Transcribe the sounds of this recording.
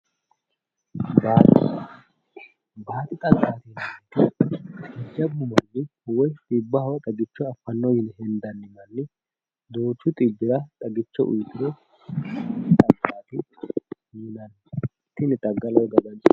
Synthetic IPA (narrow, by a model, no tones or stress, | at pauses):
baːt̪ɪ | baːt̪ʼɪt̪ʼɐɡaːt̪ɪnɐɪt̪ːɪ | ɛd͡ʒːɐbːʊmɐɾdɪwɔjt̪ʼɪbːɐhɐwɐt̪ʼɐɡɪt͡ʃːɔɐfːɐnːɔjɪnhɛnd̪ɐnːɪmɐnːɪ | d̪oːt͡ʃːʊt̪ʼɪbːɪɾɐt̪ʼɐɡɪt͡ʃːɔʔʊ̰jt̪ɪɾɔ | t̪ʼɐɡːaːt̪ɪjiːnɐnː | t̪ːɪnɪt̪ʼɐɡːɐlɔjɡɐɡ̪ɐn